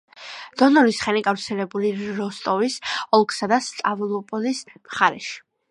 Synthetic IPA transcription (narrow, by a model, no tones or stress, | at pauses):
d̪̥ɔnɔɾisχɛniɡafɾt̪sʰɛlɛbuliɾɔst̪ʼɔvisɔlˠkʰsad̪ast̪ʼavlˠɔpʼɔlismχaɾɛʃi̥